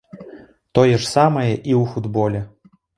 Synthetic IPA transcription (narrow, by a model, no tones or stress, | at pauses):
t̪ojɛʂsamɐjɛʔiufud̪bolʲɛ